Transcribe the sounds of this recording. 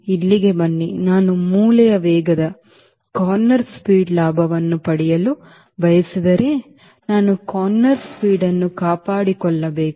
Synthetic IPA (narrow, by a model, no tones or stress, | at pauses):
ilːiɡe̞bɐɳːinaːnumuːlɐjɐʋɛːɡɐd̪ɐ | kaːɾnːɐɾspiːɖlaːbʱɐʋɐnːupɐɽijɐlu | bʱɐjɐsid̪ɐɾeː | naːnukaːnːɐɾspiːɽɐnːukaːpaːɽikɔɭːɐbeːk